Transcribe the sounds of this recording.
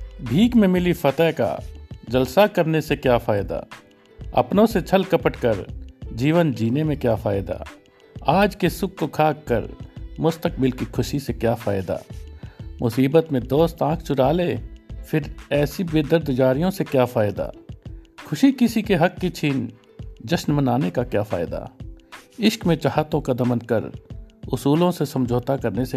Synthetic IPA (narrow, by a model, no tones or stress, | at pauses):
bʱiːkmẽmɪlifɐt̪ɛːka̰d͡ʒɐlsakɐɾnesekjaːfaːɪd̪a̰ː | ɐ̰pnõset͡ʃʰɐlkɐpəʈkəɾd͡ʒiːʋənd͡ʒiːnemẽkjaːfaːɪd̪a̰ː | aːd͡ʒkesʊkːokʰaːkkə̰ɾmʊst̪ək̚bɪlkixʰʊʃisekjaːfaːɪd̪a̰ː | mʔʊsiːbət̪mẽd̪oːst̪ãːkʰt͡ʃʊɾaːleːfʰɪɾɛːsibeːd̪əɾd̪ʱd͡ʒaːɾijõsekjaːfaːɪd̪a̰ːxʰʊʃikɪsikeɦɐkːit͡ʃʰiːn | d͡ʒɐʃnmənaːnekakjaːfa̰ːɪd̪a̰ː | ɪʃkmẽt͡ʃaɦaːt̪õkad̪ɐmənkəɾʊsuːlõsesɐ̃md͡ʒʱoːt̪akɐɾnese